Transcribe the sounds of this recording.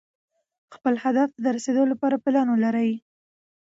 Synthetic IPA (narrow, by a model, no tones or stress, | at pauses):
xpəlhad̪afad̪əɾased̪olapɑɾapɪlɑnolaɾəj